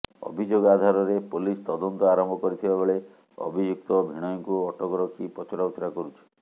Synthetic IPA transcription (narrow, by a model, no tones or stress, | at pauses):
ɔ̰bʱid͡ʒoɡɔad̪ʱaɾɔɾepolist̪ɔd̪ɔnt̪ɔaɾɔmbʱɔkɔɾit̪ʰibabeɭe | ɔ̰bʱid͡ʒuk̚t̪ɔbʱiɽ̃ɔŋkuɔʈʰɔkɔɾɔkʰipɔt͡ʃɔɾawt̪ʰɾakɔɾut͡ʃʰi̥